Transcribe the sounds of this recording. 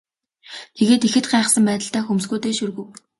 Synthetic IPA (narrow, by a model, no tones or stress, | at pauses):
t̪ʰeɣeːt̪ixɘ̆t̪̚ɢæːχ̆sə̆mpæːt̪ə̆ɬt̪æːxumsɡuːt̪eːʃurɣɵ̆w